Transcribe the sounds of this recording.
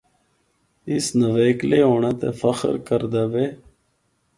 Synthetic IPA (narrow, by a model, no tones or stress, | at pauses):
ɪsnəʋeːkleːɦoːɳaːt̪ḛːfəxə̰ɾkəɾd̪aːʋeː